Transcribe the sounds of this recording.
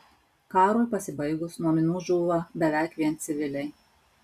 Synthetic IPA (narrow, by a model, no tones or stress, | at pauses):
kɑːɾoːpɐsʲɪbɐɪɡʊsnuɔmʲɪnuːʒuːʋɐbʲɛʋʲæˑɪkʋʲiɛnt̪sʲɪʋʲɪlʲɛɪ